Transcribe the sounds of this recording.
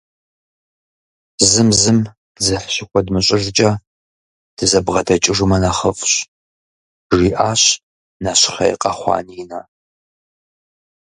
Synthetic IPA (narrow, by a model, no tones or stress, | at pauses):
zɨmzɨm | zɐħɕɪkʷʰɔdmɨɕʼɪʐt͡ʃʼɐ | d̥ɨzɐbʁɐdɐt͡ʃʼɪʐumɐnaχəfʼɕ | ʐiːʔaːɕ | naɕɪ̥χɐ̰j̰qʼɐχʷɑ̰ːniːnɐ